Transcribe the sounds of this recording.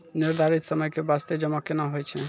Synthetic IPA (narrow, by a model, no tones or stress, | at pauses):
niɾd̪ʱaɾit̪sɔmɔjkebast̪ed͡ʒɔmakenaɦojt͡ʃʰe